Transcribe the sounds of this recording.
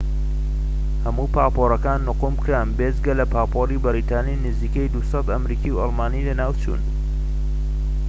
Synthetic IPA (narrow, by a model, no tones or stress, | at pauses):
hɐmuːpʰaːpoːɾɐkaːnːʊqumkʰɾanbezɡɐlɐpʰaːpʰoribɨɾiːt̪aːninɨziːkejd̪usɑt̪ɐmɾiːkiwɑlmaːnilɐnaːwt͡ʃṵːn